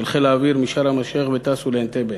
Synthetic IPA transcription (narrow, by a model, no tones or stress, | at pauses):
elχelaːviɾmiʃaɾhamaʃeχbet̪asulent̪ebe